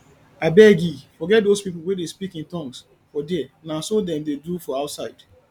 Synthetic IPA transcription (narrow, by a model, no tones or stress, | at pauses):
abɛɡifɔɡɛt̚dospipl̩wɛdespikĩntɔ̃ŋs | fɔdɛnãsodɛ̃mdedufɔaʊtsaɪd̥